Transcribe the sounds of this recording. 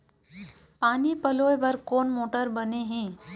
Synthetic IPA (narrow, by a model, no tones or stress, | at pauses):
paːnipəlojbəɾkoːnmoʈəɾbəneɦẽ